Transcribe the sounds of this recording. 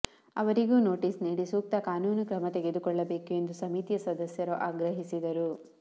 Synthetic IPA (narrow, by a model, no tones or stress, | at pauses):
ɐ̰ʋɐɾiɡuːno̞ːʈiːsniːɽisuːk̚t̪ɐkaːnuːnukɾɐmɐt̪eɡe̞d̪ukɔɭːɐbe̞ːkue̞nd̪usɐmit̪ijɐsɐd̪ɐsjɐɾuʔaːɡɾɐɦisid̪ɐɾu